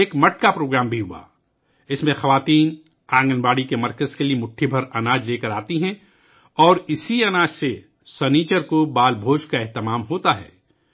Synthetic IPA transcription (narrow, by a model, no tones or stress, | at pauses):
eːkmɐʈ̚kapɾoːɡɾaːmbʱiɦʊa̰ː | ɪsmẽxɐʋaːt̪iːn | ãːŋɡənbaːɽikemɐɾkəzkeliemʊʈʰːibʱɐɾɐnaːd͡ʒleːkɐɾaːt̪iɦɛ̃ | ɔːɾɪsiɐnaːd͡ʒse | sɐniːt͡ʃəɾkobaːlbʱoːd͡ʒkaɛɦt̪ɪmaːmɦoːt̪aɦɛ̰ː